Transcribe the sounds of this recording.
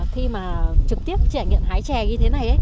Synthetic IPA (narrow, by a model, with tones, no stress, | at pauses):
xi˧maː˨˩t͡ɕɨ˨˩k̚t̪i˦˥əp̚t͡ɕa̰˧˩ŋḭ˧˨nhaː˨˦jt͡ɕɛ˧˩ɲɨ˧e˨˦na˨˩jʔə˨˦